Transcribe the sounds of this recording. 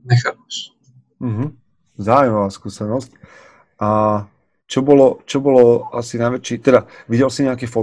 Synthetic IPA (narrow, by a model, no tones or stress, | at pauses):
ɲɛxapɛʃ | m̩ɦm̩ | zaːʊuimaʋaːskuːsɛnɔsc | ʔa | t͡ʃɔbɔlɔt͡ʃɔbɔlɔasinajʋɛt͡ʃit̪ɛd̪aʋiɟɛlsiɲɛakɛːfɔ